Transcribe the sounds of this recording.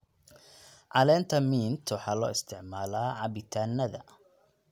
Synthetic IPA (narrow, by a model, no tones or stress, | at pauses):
ʕɑlɛːnt̪ʰɐmiːnt̪ʰwɑħɑːlɔːɪst̪ʰɪʕmaːlaːʕɑβɪt̪ʰaːnːɐðɐ̰